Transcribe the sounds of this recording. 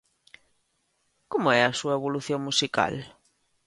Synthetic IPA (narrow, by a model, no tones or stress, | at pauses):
komʊɛɐsuɐeβ̞oluθjõŋmusika̰l